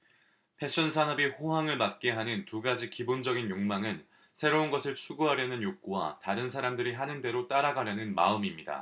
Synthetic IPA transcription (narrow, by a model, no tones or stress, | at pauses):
pʰe̞ɕ͈ʰʌnsʰanʌbiɸoɦaŋɯɭmat̚k͈e̞ɦanɯntuɡad͡ʑikibond͡ʑʌɡinjoŋmaŋɯn | sʰe̞ɾounɡʌsʰɯɭt͡ɕʰuɡuɦaɾjʌnɯnjok͈owa̰taɾɯnsʰaɾamdɯɾiɦanɯnde̞ɾot͈aɾaɡaɾjʌnɯnma̰ɯmimɲida̰